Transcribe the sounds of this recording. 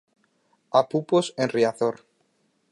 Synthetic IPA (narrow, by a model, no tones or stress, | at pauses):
apuposẽnriaθoɾ